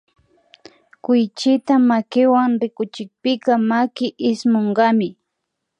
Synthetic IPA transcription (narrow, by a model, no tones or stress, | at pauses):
kʊjt͡ʃɪt̪amakɪwaŋɾɪkʊt͡ʃɪk̚pɪkɑmakɪʔɪsmoɴɢɑmɪ